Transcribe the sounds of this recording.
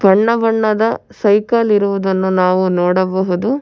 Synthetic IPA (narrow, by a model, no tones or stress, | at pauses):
bɐɳːɐbɐɳːɐd̪ɐsɐjkɐliɾuʋud̪ɐnːunaːʋunoːɽɐbɐɦud̪u